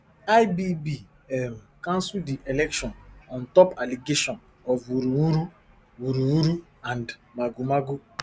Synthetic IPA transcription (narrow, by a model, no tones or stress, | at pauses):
ajbibi | ɛm̩kãnsuldiʔelɛkʃɔ̃nɔ̃ntɔpaliɡeʃɔ̃n | ɔvuɾuwuɾu | wuɾuwuɾu | ãndmaɡumaɡu